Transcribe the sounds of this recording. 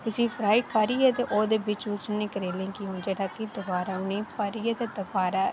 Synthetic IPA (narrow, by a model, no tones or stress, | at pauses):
t̪ʊsĩːpʰɾaːikʰaːɾiːɛːt̪eːʔoːd̪eːbɪt͡ʃʊsnẽːkəɾeːlẽːkɪõːd͡ʒeːɽaːkid̪əbaːɾaːʊnĩːpaɾiːeːt̪eːd̪əbaːɾaː